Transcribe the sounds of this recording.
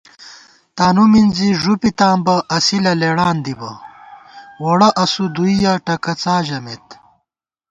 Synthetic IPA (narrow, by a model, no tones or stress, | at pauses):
t̪aːnuminziʐupit̪aːmbɐʔɐsilɐleɽaːnd̪ibɐ̰ | woɽɐʔɐsud̪uijaʈɐkɐt͡saːʑɐmet̪